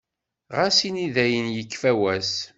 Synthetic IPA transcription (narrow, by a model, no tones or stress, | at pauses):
ʁasiniðæjənjəkːfæwæs